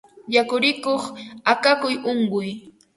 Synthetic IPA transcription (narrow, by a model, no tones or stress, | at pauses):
jakʊɾɪkoχakakʊjʊŋɢʊj